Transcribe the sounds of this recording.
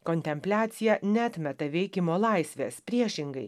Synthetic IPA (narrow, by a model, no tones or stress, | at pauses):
konʲt̪ʲɛmʲpʲlʲæːt̪sʲɪjɛnʲɛɐt̪ʲmʲɛt̪ɐʋʲɛɪkʲɪmoːlˠɐɪsʲʋʲeːspʲɾʲiɛʃʲɪŋɡɐɪ